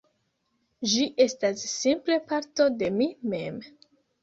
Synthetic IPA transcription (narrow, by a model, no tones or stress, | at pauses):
d͡ʒiʔe̞stasːimple̞paɾto̞de̞mime̞m